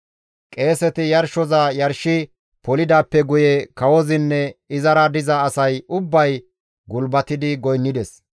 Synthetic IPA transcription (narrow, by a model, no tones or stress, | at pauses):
kʼe̞ːsɛt̪ɪjɐɾʃɔzɐjɐɾʃɪ | pɔlɪd̪aːpːɛɡʊjɛkɐwɔzɪnːɛɪzɐɾɐd̪ɪzɐːsɐjʊbːɐj | ɡʊlbɐt̪ɪd̪ɪɡɔjnːɪd̪ɛs